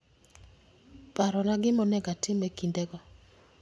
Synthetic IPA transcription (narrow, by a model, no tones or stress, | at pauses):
paɾɔlaɡɪmɔnɛɡatɪmekindɛɡɔ